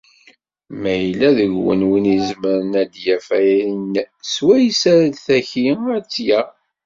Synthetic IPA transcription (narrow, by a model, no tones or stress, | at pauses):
mæjlːæðəʝwə̰nwinizməɾənæd̪jæfæjæinswæjsæɾæd̪θæçiæt͡sːjæ